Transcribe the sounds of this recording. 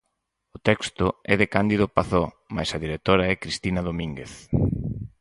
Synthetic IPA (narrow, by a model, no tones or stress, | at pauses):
ʊt̪ɛkst̪ʊɛðekand̪iðʊpaθo | ma̰jsɐðiɾek̚t̪oɾaɛkɾist̪inɐð̞omĩŋɡeθ